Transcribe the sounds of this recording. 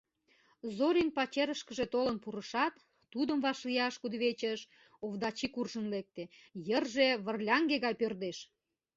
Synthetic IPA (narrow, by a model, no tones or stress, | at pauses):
zoɾinpɑt͡ɕeɾəʃkəʒet̪olənpuɾəʃɑt̪ː | ud̪əmβɑʃlijɑʃkud̪βet͡ɕəʃ | ovd̪ɑt͡ɕikurʒənlek̚t̪ejərʒeβərlʲɑŋɡeɣɑjpørd̪eʃ